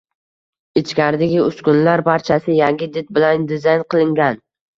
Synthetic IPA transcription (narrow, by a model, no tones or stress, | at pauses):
ɪt͡ʃkʲaɾd̪ɪɡʲɪʊskʲʊnlaɾbaɾt͡ʃʰasɪjaŋɡʲɪd̪ɪt̪̚bɪland̪ɪzajnqɨlˠɪŋɡʲan